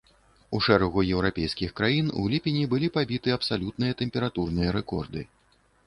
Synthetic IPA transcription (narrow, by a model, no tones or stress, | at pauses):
uʂɛɾɐɣujɛwɾapʲɛjskʲixkɾajinṵlʲipʲenʲibɨlʲipabʲit̪ɨɐpsalʲut̪̚nɨjɐt̪ɛmʲpʲɛɾat̪urnɨjɐɾɛkɔrd̪ɨ